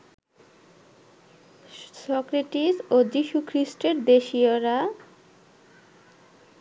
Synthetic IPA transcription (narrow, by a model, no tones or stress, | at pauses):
sɔkɾeʈisod͡ʑiʃukʰɾisʈeɾd̪eʃioɾa